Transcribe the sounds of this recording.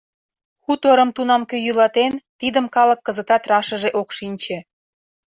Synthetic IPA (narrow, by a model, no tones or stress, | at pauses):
xut̪oɾəmt̪unɑmkøjylɑt̪ent̪id̪əmkɑlə̆kːəzət̪ɑt̪rɑʃəʒeʔokʃinʲt͡ɕe